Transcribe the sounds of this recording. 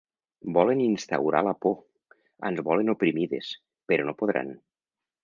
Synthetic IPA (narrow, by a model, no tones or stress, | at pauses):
bɔleninst̪a̰wɾa̰lapo | ə̰nzβɔlenopɾimiðḛs | peɾonopoð̞ɾa̰n